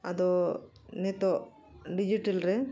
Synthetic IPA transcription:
ɐd̪o | net̪o | ɖid͡ʒiʈɐlɾe

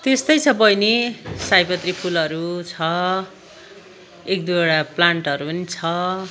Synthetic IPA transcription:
t̪est̪ʌjt͡sʰʌpʌjnisajpʌt̪ripʰulʌɾut͡sʰʌ | ek̚d̪uoɽaplaɳʈʌɾupʌnit͡sʰʌ

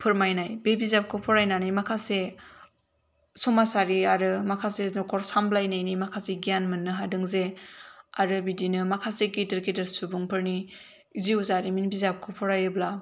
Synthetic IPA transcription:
pʰɯɾmajnajbebizap̚kʰɯpʰɔɾajnanijmakʰase | sɔmasaɾiaɾɯmakʰasenɔkʰɔɾsamblajnajnimakʰaseɡijanmɯnːɯɦadɯŋze | aɾɯbidinɯmakʰasekidɯɾkedəɾsubuŋpʰɯɾni | iziuzaɾiminbizap̚kʰɯpʰɔɾajɯbla

